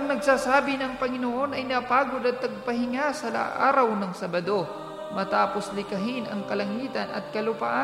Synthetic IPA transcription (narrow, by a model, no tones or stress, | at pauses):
ɐŋnɐɡsaːsaːbɪnɐŋpɐŋɪnoʔo̞nɐjnɐpaːɡod̪ɐt̪̚ːɐɡ̚pɐhɪŋasɐla̰ʔa̰ːɾɐwnɐŋsɐbɐd̪o̞ | mɐt̪aːpo̞slɪkɐɦɪnɐŋkɐlɐŋiːt̪ɐnɐ̰t̪̚kɐlʊpa̰ʔa